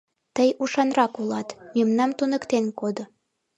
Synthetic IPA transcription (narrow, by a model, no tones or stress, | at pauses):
t̪əjuʃɑnrɑkulɑt̪memnɑmt̪unə̆kt̪enkod̪o